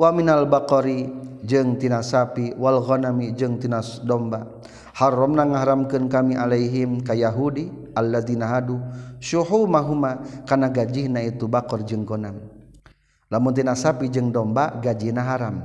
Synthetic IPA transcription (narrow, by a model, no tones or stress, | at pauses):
waminalbakɔɾid͡ʒɨŋt̪inasapiwalɣɔnamid͡ʒɨŋt̪inadɔmba | harɔmnaŋaɦaɾamkɨnkamiʔalaiɦimkajaɦudi | alːaðinaɦaduʃuɦumaɦumakarnaɡad͡ʒihnait̪ubakɔrd͡ʒɨŋɡɔnam | lamuŋt̪̬inasapid͡ʒɨŋdɔmbaɡad͡ʒihnaɦaɾam